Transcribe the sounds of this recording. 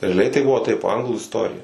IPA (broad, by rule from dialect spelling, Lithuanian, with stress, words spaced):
rʲɛɐˈlʲɛɪ tɐɪ ˈbʊʋoː tɐɪp ˈɐŋɡlˠuː ɪsˈtoːrʲɪjɛ